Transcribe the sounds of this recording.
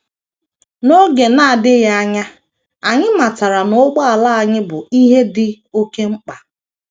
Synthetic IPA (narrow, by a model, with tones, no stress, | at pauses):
no˦ɡe˨na˦a˨dɪ˦ja˦a˦ɲa˦ | a˨ɲɪ˦ma˨ta˨ɾa˨nʊ˨˦ɡ͡ba˦a˨la˦a˨ɲɪ˦bʊ˨i˦ɦe˦dɪ˦ | o˦ke˦ŋ͡m̩˦k͡pa˨